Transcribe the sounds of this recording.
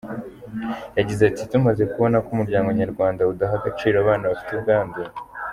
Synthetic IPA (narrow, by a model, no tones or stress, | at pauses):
jaɟizeatitumaze̞kuβo̞nakumuɾɟaːŋɡoɲaɾɡwaːndaudaɦaɡat͡ʃiːɾaβaːnaβafi̥tubɡaːnde